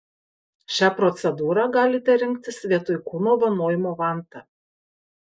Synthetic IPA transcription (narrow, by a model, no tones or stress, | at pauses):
ʃʲæːpɾɔt̪sʲɛd̪uːɾɑɡɑːlʲɪt̪ʲɛɾʲɪŋʲkt̪ʲɪsʋʲiɛt̪ʊɪkuːnoːʋɐnoːjɪmoːʋɑˑnt̪ɐ